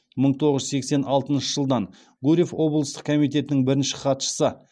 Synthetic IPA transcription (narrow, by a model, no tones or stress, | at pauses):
məɴt̪ʰo̞ʁəʒse̞kse̞nɑlˠt̪ənʃəʒəlˠd̪ɑn | ɡuɾʲefwo̞blˠəst̪əqkʰomijt̪̬e̞t̪ɪnɪŋbɪɾɪnʃɪ̥qɑt̪ʃə̥sə